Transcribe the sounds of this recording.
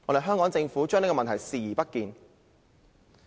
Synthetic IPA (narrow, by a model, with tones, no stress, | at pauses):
ŋɔ̰ː˨˧ɾe˨jɦœː˥ŋkɔː˨˥ŋt͡sɪ˧ŋfuː˨˥t͡ʃœː˥ŋn˥kɔ˧˨ɐ˨nt̪ʰɐ˨˩jsiː˨˧jiː˨˩pɐ˥t̚kiː˧n